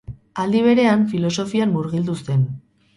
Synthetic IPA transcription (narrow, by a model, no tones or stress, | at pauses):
ald̪iβ̞e̞ɾe̞aɱfilo̞so̞fianːuɾɣild̪ust̪e̞n